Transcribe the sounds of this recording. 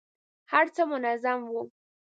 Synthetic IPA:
haɾt͡samʊnazamvu

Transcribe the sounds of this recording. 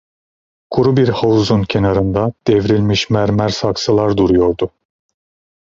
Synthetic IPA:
kʰuɾubiɾhavuzuncʰe̞naɾɯnd̪ad̪̥ɛvɾilʲmiʃmæɾmæɾsaksɯlˠaɾd̪uɾujo̞ɾd̪ʊ

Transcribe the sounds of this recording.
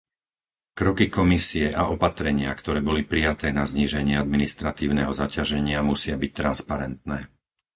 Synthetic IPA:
kɾɔkikɔmisiɛʔaɔpat̪ɾɛɲɪakt̪ɔɾɛːbɔlipɾijat̪ɛːnazɲiːʒɛɲɪɛad̪minist̪ɾat̪iːʊnɛ̰ːɦɔzacaʒɛɲɪamusɪabic̚t̪ɾanspaɾɛnt̪̚nɛː

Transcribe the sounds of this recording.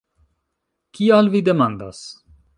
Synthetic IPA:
kialvid̪emand̪a̰s

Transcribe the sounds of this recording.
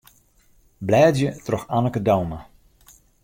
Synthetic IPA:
blɛːdjətrɔxanəkədowma

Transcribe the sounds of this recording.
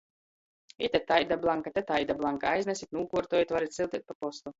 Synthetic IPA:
it̪ʲɛt̪ajd̪ablˠaŋkat̪ɛt̪ajd̪ablˠaŋkaajznɛsit̪ʲnuːkuɔɾt̪ɔːjit̪vaɾit̪silˠt̪ʲit̪̚papɔst̪u

